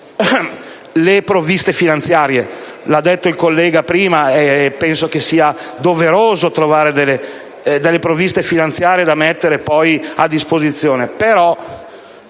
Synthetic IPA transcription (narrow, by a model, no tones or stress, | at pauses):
lepɾovist̪efinant̪sjaːɾje | lad̪ːɛt̪ːoilkolːɛːɡapɾiːmaepːɛnsok̟esiːad̪oveɾoːzot̪ɾovaːɾed̪elːe | d̪elːepɾovist̪efinant̪sjaːɾjed̪amet̪ːeɾepɔjad̪ːispozit̪sːjoːnepeɾɔ